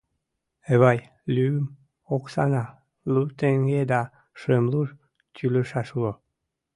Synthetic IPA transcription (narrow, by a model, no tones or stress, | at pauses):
eβɑj | lʲym | oksɑnɑ | lut̪eŋɡed̪ɑ | ʃemlur | t̪yləʃɑʃuo